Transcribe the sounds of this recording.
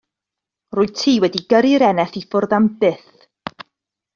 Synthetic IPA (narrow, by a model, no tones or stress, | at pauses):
rʊːɨtʰiːwɛdiɡəɾiɾɛnɛθifʊrðambɪθ